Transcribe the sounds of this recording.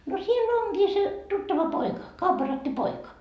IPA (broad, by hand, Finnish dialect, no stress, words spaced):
no siel onɡ̊iː se tutːɑʋɑ poikɑ kɑupːɑrɑtːi poikɑ